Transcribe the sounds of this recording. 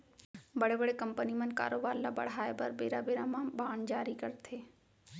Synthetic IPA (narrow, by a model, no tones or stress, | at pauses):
bəɽebəɽekəmpənimə̃nka̰ːɾoːbaːɾlabə̰ɽ̤ɦaːebəɾbeːɾabeːɾamãbaːɳd͡ʒaːɾikəɾt̪ʰeː